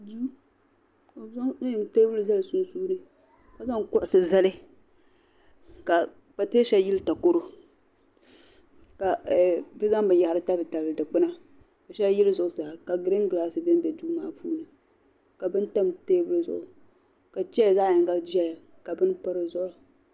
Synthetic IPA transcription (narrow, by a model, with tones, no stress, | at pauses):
du˦ | o˨˦za˦ŋ˦ɲɪ˨˦te˦bɨ˦lɨ˦za˦lɨ˨su˦n˦suː˦nɨ˦ | ka˦za˦ŋkʊ˦ʔʊ˨sɨ˨za˦lɪ˦ | ka˨ | pa˨te˦ʃɛ˦ji˦lɨ˦ta˨ko˦ɾo˦ | ka˨bɨ˦za˦ŋ˦bɨ˨n˨ja˨ha˨ɾɨ˦ta˦bɨ˨ta˨ldɨ˨k͡pɨ˦na˦ | ba˨ʃɛ˦jɪ˦lzʊ˨ʔʊ˨sa˨hka˨ɡɨ˨ɾɨ˦ŋɡlaː˦sɨ˨bɪ˦n˦bɛ˨du˦maː˦pṵː˦nɨ˨ | ka˨bɨ˦n˦ta˦mteː˦bʊ˦lɨ˦zʊ̰˨ʔʊ˨ | ka˨t͡ʃɛ˦˨zaː˦jɪ˨ŋɡa˦d͡ʒa˦ja˨ | ka˨bɨ˦npa˦ɾɨ˦zʊ˦ʔʊ˨